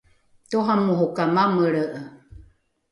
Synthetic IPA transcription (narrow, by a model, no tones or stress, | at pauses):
t̪oɦamuɦokamaməɾəʔə